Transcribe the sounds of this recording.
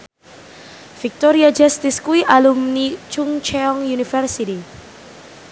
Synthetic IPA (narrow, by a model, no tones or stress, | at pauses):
fik̚t̪oɾiad͡ʒast̪ɪskuiʔalumnit͡ʃuŋt͡ʃɛɔŋjunifɛrsiti